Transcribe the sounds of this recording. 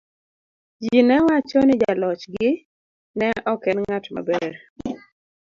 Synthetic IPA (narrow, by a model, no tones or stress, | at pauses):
d͡ʒinɛwat͡ʃɔnɪd͡ʒalɔt͡ʃɡɪ | nɛʔɔkɛnŋatma̰bɛɾ